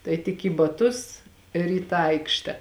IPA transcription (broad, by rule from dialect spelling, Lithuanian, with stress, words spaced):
tɐɪ tʲɪk iː bɐˈtʊs ɪr iː ˈtɑː ˈɐɪkʃʲtʲɛ